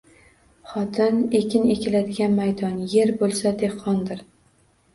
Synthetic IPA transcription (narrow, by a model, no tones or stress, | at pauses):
χɒt̪ʰɪne̞kʲʰɪne̞kʲɪlad̪ɪɡʲanmajd̪ɒnje̞ɾbolˠsad̪e̞qʰːɒnd̪ɪɾ